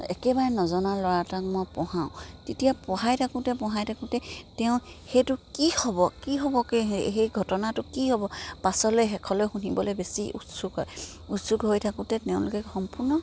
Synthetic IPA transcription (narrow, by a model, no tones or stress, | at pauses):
ɛkɛbaɹɛnɔzɔnalɔɹatak̚mɔjpɔhaʊ̃tetijapɔɦajtʰakũtɛpɔ̃ɦajtʰakũtɛtɛʊ̃xejtʊkihɔbɔkiɦɔbɔkeɦejɡʱɔtɔnatʊkihɔbɔpasɔlojɦɛkʰɔlojxunibɔlojbesiʔṵtsuɡɔ̰j | utsuɡɦojtʰakũtɛtɛʊ̃lʊkɛxɔmpuɹnɔ